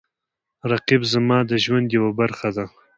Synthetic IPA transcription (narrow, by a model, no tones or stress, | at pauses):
ɾaqibzamɑːd̪əʒwand̪jawabaɾxad̪a